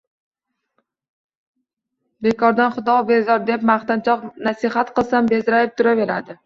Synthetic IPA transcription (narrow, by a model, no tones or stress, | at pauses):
be̞kʰɒɾd̪anχʊd̪ɒbe̞zɒɾd̪e̞pmaχt̪ant͡ʃʰɒqnasɪχat̪qɨlˠsambe̞zɾajɪp̚t̪ʰʊɾave̞ɾad̪ɪ